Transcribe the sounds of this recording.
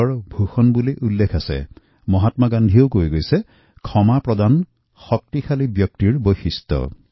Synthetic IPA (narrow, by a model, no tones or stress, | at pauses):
ɔɹbʱuxɔnbuliʔulːekʰasḛ | mɔɦat̪maɡand̪ʱiowkojɡojse | kʰɔmapɹɔd̪an | xɔk̚t̪ikʰalibjɔk̚t̪iɹbojxist̪ɔ̰